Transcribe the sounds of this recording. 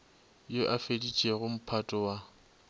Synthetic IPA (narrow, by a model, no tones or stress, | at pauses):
joʔafedit͡ʃʼeɣʊm̩pʰatʼɔwa